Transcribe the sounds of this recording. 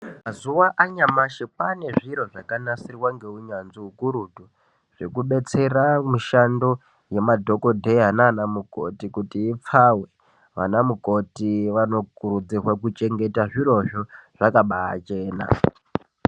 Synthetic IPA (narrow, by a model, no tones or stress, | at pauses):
mazuwaʔaɲamaʃepane̞ʐiɾo̞ʐakanasirwaŋɡe̞uɲanziukuɾudʱu | ʐ̥ekuɓe̞t͡se̞ramiʃando̞ | jemadʱo̞ko̞dʱeɦanaːnamuko̞̰tikutiːp͡fawe̞ | ʋa̰namuko̞tiʋano̞kuɾud͡zirwakut͡ʃe̞ŋɡetaʐiɾo̞ʐoʐ̥akaɓaa̰t͡ʃe̞ːna̰